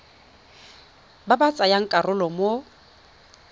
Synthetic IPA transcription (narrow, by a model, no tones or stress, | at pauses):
babat͡sʼajaŋ̩kʼarʊlɔmo